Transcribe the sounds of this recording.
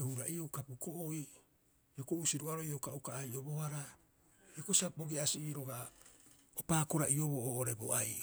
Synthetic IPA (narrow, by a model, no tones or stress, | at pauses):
ehuɾaiokapukoʔoi | okousiɾuaɾoiokaʔukaːjʔobohaɾa | ekosiaboɡiasiiɾo̞ɡa | opaːko̞ɾaʔio̞βoʔoʔoɾe̞bo̰aj